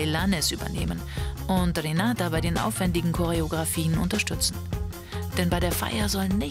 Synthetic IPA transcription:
lanɛsʔyːbɐ̰nḛːmən | ʔʊntʁenaːtabaɪdeːnʔa̰ʊfv̥ɛndɪɡŋ̩kʰɔʁ̞eoɡʁafiːənʊ̰ntɐʃtʏt͡sn̩ | d̥ɛnbaɪdeːɐfa̰ɪɐzɔlnɪ

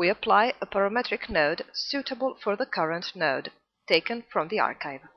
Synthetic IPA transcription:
wiɨpʰl̥aɪəbʰəɹəmɛtɹɨknoʊdsʉɾəbəlˠfə˞ðəkʰʌɹə̃ntnoʊd | tʰeɪkɨ̃nfɹʌ̃mðiɑ̰ɹkaɪv̥

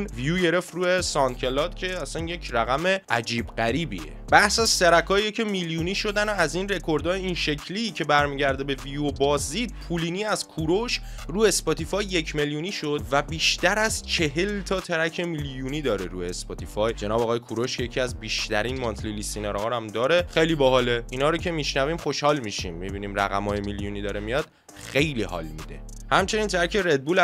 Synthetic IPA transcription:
nvijuɟe̞ɾe̞ft̪ruːjesɒncʰʲe̞lɒːd̪cʰe̞æsænje̞cʰræɣæme̞ʔæd͡ʒiːbɢæɾiːbḭḛbæhsæzseɾækʰɒːijecʰe̞miljuːniːʃo̞d̪ænoæziːnre̞kʰo̞ɾd̪ɒːjeinʃe̞cʰliːcʰe̞bæɾmiːɟæɾd̪ebe̞vijobɒːziːd̪̥̚pʰuliːniːæzkʰuɾo̞ʃ | ruːjespɒt̪ʰifɒjːe̞cʰme̞ljuːniːʃo̞d̪væbiːʃt̪æɾæzt͡ʃʰe̞ɦe̞lt̪ʰɒːt̪ʰeɾæcʰe̞miljuːniːd̪ɒːɾeɾuːjespɒt̪ʰifɒjd͡ʒe̞nɒːbɒːɣɒːje̞kʰuɾoʃejecʰiæzbiːʃt̪ʰæɾiːnmɒnt̪ʰlilisineɾɦɒːɾæmd̪ɒːɾe̞xe̞jliːbɒɦɒːleiːnhɒːɾocʰe̞miːʃnæviːmχo̞ʃhɒːlmiʃḭmːibiːniːmræ̰ɣæ̰mɒːjemiljuːniːd̪ɒːɾemijɒd̪̥ | xe̞jlihɒ̰ːlmḭd̪e̞̰ | hæmt͡ʃʰe̞nint̪ʰæɾæcʰeɾe̞d̪̚buːlæ

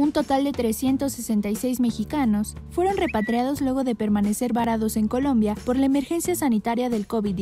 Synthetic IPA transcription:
unt̪o̞t̪ald̪e̞t̪ɾe̞sje̞nt̪o̞sːese̞nt̪ajse̞jzme̞xikano̞sfwe̞ɾo̞nre̞pat̪ɾjaðo̞zlwe̞ɣ̞o̞ðe̞pe̞ɾmane̞se̞ɾβaɾaðo̞se̞ŋko̞lõ̞mbjapo̞ɾlaeme̞ɾxe̞nsjasanit̪aɾjaðe̞lko̞βi

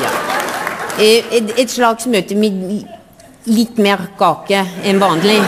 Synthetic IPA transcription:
ɛt̪slɑːɡsɔmøːt̪əmɪ | lɪt̪ːmeːɾkʰɑːkəɛnʋɑːnl̩ɪ

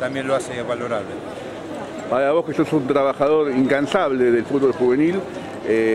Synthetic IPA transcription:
t̪amjenloaseβaloɾaβle | paɾaβo̞hkeso̞sunt̪ɾaβaxaðo̞ɾiŋkansaβleðelfut̪̚βo̞lxuβe̞nil | e

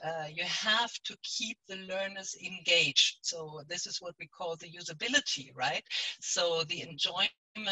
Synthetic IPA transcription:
ʌjɨæftʰɨkʰip̚ðɨlɜ˞nə˞zɨ̃nɡeɪ̥d͡ʒd̥soʊðɪsɨzwʌt̚wikʰɔlˠðɨjʉzɨbɪlˠɨtʰḭɹaɪt̚soʊðiɨ̃nd͡ʒɔɪ | mə̃

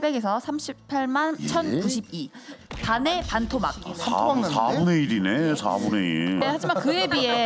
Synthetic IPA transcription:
be̞ɡe̞sʰʌsʰamɕʰip̚pʰaɭmant͡ɕʰʌnkuɕʰib̚ipane̞pantʰoma̰k̚sa̰a̰muneiɾine̞sa̰muneḭiehad͡ʑimankɯebie

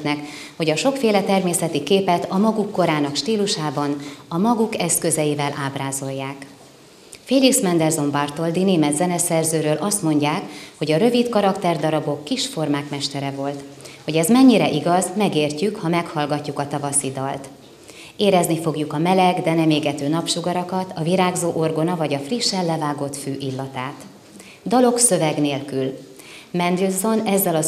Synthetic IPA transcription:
t̪nɛk | ho̞ɟɒʃo̞kfeːlɛt̪ɛrmeːsɛt̪ikeːpɛt̪ɒmɒɡukːo̞ɾaːnɒkʃt̪iːluʃaːbɒnɒmɒɡukɛskø̞zɛjivɛlʔaːbraːzo̞jːaːk | feːliksmɛnd̪ɛrzo̞mbɒrt̪o̞ld̪ineːmɛd̪zɛnɛsɛrzøːɾøːlʔɒst̪mo̞ɲɟaːkho̞ɟɒɾø̞vit̪kɒɾɒkt̪ɛrd̪ɒɾɒbo̞kːiʃfo̞rmaːkmɛʃt̪ɛɾɛvo̞lt̪ho̞ɟɛzmɛɲːiɾɛʔiɡɒzmɛɡeːrcykhɒmɛkhɒlɡɒcːukɒt̪ɒvɒsid̪ɒlt̪ | eːɾɛznifo̞ɡjukɒmɛlɛɡd̪ɛnɛmeːɡɛt̪øːnɒpʃuɡɒɾɒkɒt̪ʰɒviɾaːɡzoːʔo̞rɡo̞nɒvɒɟɒfriʃːɛlːɛvaːɡo̞t̪føːʔilːɒt̪aːt̪ | d̪ɒlo̞ksø̞vɛɡneːlkyl | mɛnd̪rilzo̞nɛzːɛlɒ

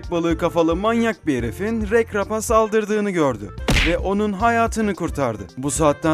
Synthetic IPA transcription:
c̚balˠɯɯkafalˠɯmanjak̚beɾefinɾɛcɾapasalˠd̪ɯɾd̪ɯːnɯɟøɾd̪ʏ̰vɛʔo̞nunɦajaːt̪ʰɯnɯkuɾt̪ʰaɾd̪ɯ̰busaːt̪ːa

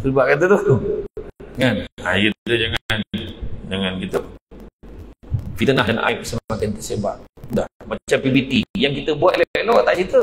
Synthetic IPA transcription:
subaʔkat̪ət̪u | ŋana̰jət̪ut̪əd͡ʒaŋnd͡ʒaŋankit̪ə | fit̪ənaɦanʔa̰jp̚səmmatkant̪əseba̰ʔdahmat͡ʃampibit̪ijaŋkit̪əbuat̪leelɔʔt̪aʔsit̪ə

